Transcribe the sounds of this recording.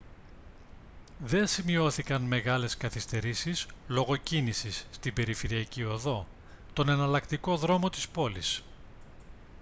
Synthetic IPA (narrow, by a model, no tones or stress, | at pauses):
ðe̞simio̞θikɐnme̞ɣɐle̞skɐθist̪e̞ɾisislo̞ɣo̞cinisisːt̪ibe̞ɾife̞ɾiɐcio̞ðo̞ | t̪o̞nenɐlɐkt̪iko̞ðɾo̞mo̞t̪i̥spo̞lis